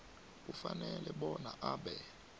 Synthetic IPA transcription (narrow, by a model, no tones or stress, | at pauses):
kufanɛlɛɓɔna̰ʔaɓɛ